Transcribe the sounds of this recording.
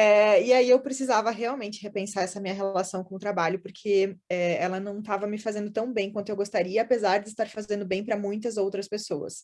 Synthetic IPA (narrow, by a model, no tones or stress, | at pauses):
ɛɪaiewpɾesizavɐɦeawmẽnt͡ʃɪ̥ɦepẽsaɾɛsɐmĩɲɐɦellasɐ̃w̃kõʊt̪ɾabaʎʊpoɾkʰeɛɛlɐnɐ̃w̃t̪avɐmɪfazẽnd̪ʊt̪ɐ̃w̃bẽj̃kwɐ̃nt̪ʊewɡost̪aɾiɐːpezaɾd͡ʒɪːst̪aɾfazẽnd̪ʊbẽj̃pɾɐmũj̃t̪ɐzowt̪ɾɐspesoɐ̰s